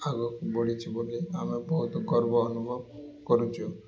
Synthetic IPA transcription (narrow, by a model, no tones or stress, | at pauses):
aɡɔkboɽit͡ʃʰiboleamebɔɦut̪ɔɡɔɾbɔːnubʱɔbkɔɾut͡ʃʰɔ